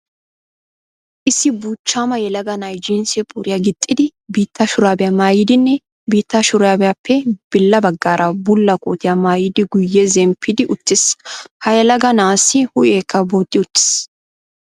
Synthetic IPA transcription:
ʔɪsːɪbuːt͡ʃːaːmɐjɛlɐɡɐnɐjd͡ʒinsɛpʼuɾɪjaɡɪt̪ʼːɪd̪ɪbiːt̪ʰːɐʃʊɾaːbɪjamaːjɪd̪ɪnːɛ | biːt̪ːɐʃʊɾaːbɛjapʰːɛb̥ɪlːɐbɐɡːaːɾʔɐbʊlːɐkʼo̰ːt̪ɪjamaːjɪd̪ɪɡʊjːɛzɛmpʰːɪd̪ɪʔʊt̪ːɪshɐjɛlɐɡɐnaːsɪhʊʔeːkʰːɐboːt̪ʼːɪʊt̪ːɪ̥s

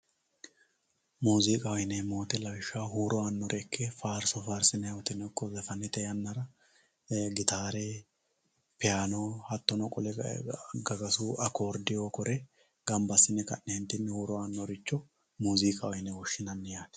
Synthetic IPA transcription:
muːzikʼɐwɔjnɛmo̞ːt̪ɛlɐwɪʃːaɦuːɾɔanːɔɾʔɛkʰːɛfaːɾsɔfaːɾsɪnːɛɔt̪ɪnːɛkːɔzɛfɐnːɪt̪ɛjɐnːɐɾɐ | ɡɪt̪aːɾe | pɪjaːnoːhɐt̪ːɔnɔkʼɔlɛɡɐɡɐsuːʔɐko̞ːɾd̪ɪjoːkɔɾɛ | ɡ̥ɐmbɐsːɪnːɛkɐ̰nːɛhɪnt̪ːɪnːɛhuːɾɔanːɔɾɪt͡ʃːɔ | muːzikʼɐwɔjnɛwɔʃːɪnɐnːɪjaːn

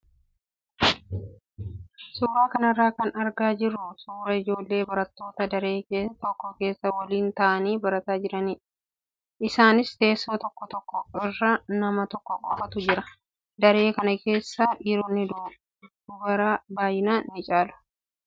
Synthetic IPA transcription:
suːɾaːkɐnɐrːaːkɐnɐɾɡaːd͡ʒɪɾːʊsuːɾɐɪd͡ʒo̞ːlːe̞ːbɐɾɐt̪ːo̞ːt̪ɐd̪ɐɾe̞ːkeːt̪ɔkːɔke̞ːsːɐwɐliːnt̪ɐʔɐniːbɐɾɐt̪aːd͡ʒɪɾɐniː | ʔɪsaːnɪst̪e̞ːsːo̞ːt̪ɔkːɔt̪ɔkːɔɪrːanɐmɐt̪ɔkːɔkʼɔfɐt̪ʊd͡ʒɪɾɐ | d̪ɐɾe̞ːkɐnɐke̞ːsːaʔiːɾoːnːɪd̪uː | ʊɡɐɾabaːjɪnaːnːɪt͡ʃʼaːlʊ̥

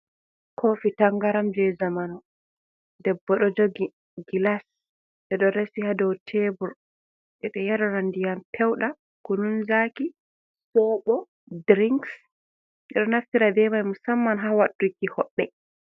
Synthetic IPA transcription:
kʰofitaŋɡaɾamd͡ʒɛzamanu | dɛbːɔɗɔd͡ʒoɡi | ɡilas | ɗɛɗɔɾɛsihadɔwtʰeːbuɾ | ʔɛɗɔjaɾɔɾandijampʰɛwɗa | kununzaki | sɔɓɔ | dɾiŋks | ʔɛɗɔnaftiɾabɛmajmusamːanɦawaɗukihɔɓːɛ

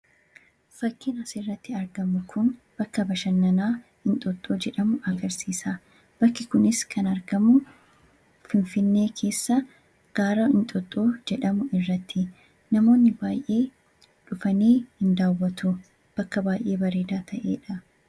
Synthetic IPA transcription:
fɐkːɪnɐsɪrːɐt̪ːɪɐɾɡɐmʊkʰʊnb̥ɐkːɐbɐʃɐnːɐnaːhɪnt̪ʼɔt̪ʼːoːd͡ʒɛᶑɐmʊɐɡɐɾsiːsa | b̥ɐkːɪkʊnɪskʰɐnɐɾɡɐmʊ | fɪnfɪnːe̞ːkʰe̞ːsːɐ | ɡ̥aːɾɐɪnt̪ʼɔt̪ʼːoːd͡ʒɛᶑɐmʊʔɪrːɐt̪ʰːɪ | nɐmo̞ːnːɪbaːjʔe̞ː | ᶑʊfɐneːhɪnd̪aːwːɐt̪ʊ | b̥ɐkːɐbaːjʔe̞ːbɐɾeːd̪aːt̪ʰɐʔḛːᶑɐ

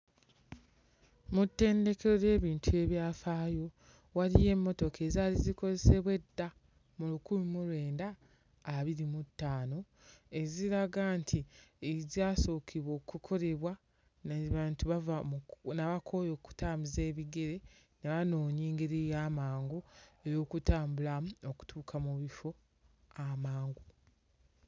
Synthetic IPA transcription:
mutːe̞ːnde̞keɾo̞ɾe̞ːβiːntʰue̞βjaːfaːjo̞ | waɾije̞mːo̞to̞ke̞zaːliziko̞ze̞se̞βwe̞dːa | mulukulumuɾwe̞ːndaː | βiɾimutːaːno̞ | e̞ziɾaɡantʰieziaːso̞kʰiβwo̞ːkukʰo̞ɾe̞βwa | naβaːntuβavamnaβakʰo̞jo̞ku̥taːmize̞ːβiɡe̞ɾe̞ | naβano̞ːɲiːŋɡeɾijaːmaːŋɡoejoːkutaːmbulamoku̥tʰuːkʰamuβifo̞ | amaːŋɡo

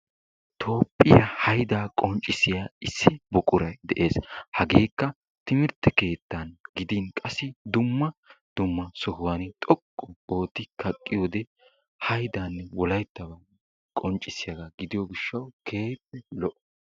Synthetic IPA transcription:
t̪ʰo̞ːpːɪjahɐjd̪aːkʼɔnt͡ʃʼːɪsɪjaːɪsːɪbɔkʼʊɾɐjd̪ɛʔe̞ːshɐɡeːkːɐ | t̪ɪmɪɾt̪ːɛke̞ːt̪ːanɡɪd̪inkʼɐsːɪd̪ʊmːɐd̪̥ʊmːɐsɔhʊwanɪt̪ʼɔkʼːɔo̞ːt̪ːɪkʰɐkʼːɪjoːd̪ɛ | hɐjd̪aːnːɛwɔlɐjt̪ːɐbɐ | kʼɔnt͡ʃʼɪsɪjɐɡaɡɪd̪ɪjɔɡɪʃːɐwkʰeːjt̪ːɛlɔʔɔ

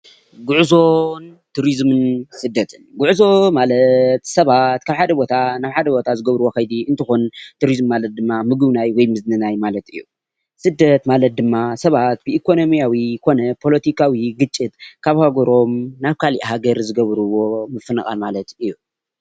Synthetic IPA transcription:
ɡuʕzo̞nt̪ʰuɾizmɨnsɨd̪ːɐt̪ʰɨnɡuʕzo̞malɐt̪sɐβat̪kʰaβħad̪ɐbo̞t̪ʰanaβħad̪ɐbo̞t̪ʰazɨɡɐβɾuwo̞xɐjd̪iʔɨnt̪ʰɨxunt̪ʰuɾizmːalɐt̪̚d̪ɨmːamɨɡɨβnajwɔjmɨznɨnajmalɐt̪ɨ̰jːṵ | sɨd̪ːɐt̪malɐt̪̚d̪ɨmːasɐβat̪̚bɨikʰo̞no̞mijawikʰo̞nɐpʰo̞lɐt̪ʰikʰawiɡɨt͡ʃʼːit̪kʰaβhaɡɐɾo̞mnaβkʰaliʔɦaɡɐɾzɨɡɐβɾuwo̞mɨfɨnɐxʼa̰lmalɐt̪ɨjːu

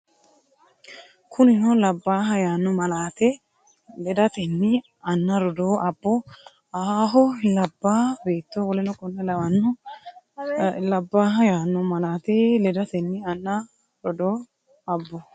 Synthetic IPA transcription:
kʰʊnɪnɔlɐbːaːɦɐjaːnːʊmɐlaːt̪eː | lɛd̪ɐt̪ɛnːɪ | ɐnːɐɾɔd̪oːɐbːɔ | aːɦɔlɐbːaːbeːt̪ːoːwɔlɛnɔkʼɔnːɛlɐwɐnːʊ | lɐbːaːɦɐjaːnːʊmɐlaːt̪eːlɛd̪ɐt̪ɛnːɪɐnːɐ | ɾɔd̪oː | ɐbːɔ

